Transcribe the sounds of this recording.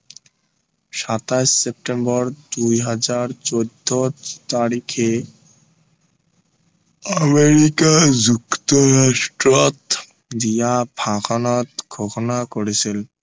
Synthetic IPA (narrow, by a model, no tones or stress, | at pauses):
ʃat̪asep̚ʈembɔɾd̪ujɦad͡ʑaɾt͡ɕod̪ʱːot̪aɾikʰe | əmeɾikad͡ʑukt̪oɾaʃʈɾot̪ | d̪ijabʱakʰonat̪ɡʱoʃonakoɾet͡ɕʰil